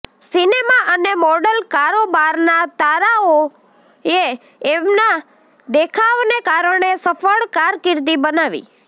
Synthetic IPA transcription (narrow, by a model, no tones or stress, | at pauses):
sinemaʔənemɔɖəlkaɾobaɾnat̪aɾao | e | emna | d̪ekʰaʋnekaɾəɳ̃esəfəɭkaɾkɪɾd̪ibənaʋḭ